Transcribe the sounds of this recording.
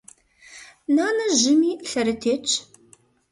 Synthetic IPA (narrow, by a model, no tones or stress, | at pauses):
naːnɐʒɪmiːɬɐɾɨtʰeːt͡ʃʰʼ